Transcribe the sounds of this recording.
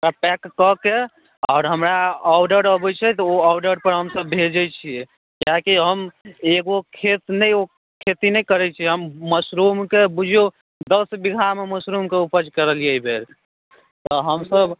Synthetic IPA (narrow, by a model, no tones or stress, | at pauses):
ɦapɛkːəke | ɔːɾɦəmɾaɔwɖəɾəbɛt͡ʃʰɛt̪ɔoawɖəɾpəɾɦəmsəbːʱeld͡ʒəjt͡ʃʰijɛ | kjaɦkiɦəmeɡokʰet̪nɛjo | kʰet̪inɛjkəɾɛt͡ʃʰiɦəmːəsɾumkebud͡ʒʱo | d̪əsbiɡʱameməsɾumkeupəd͡ʒkəɾəlijəbʱel | t̪ɔɦəmsəb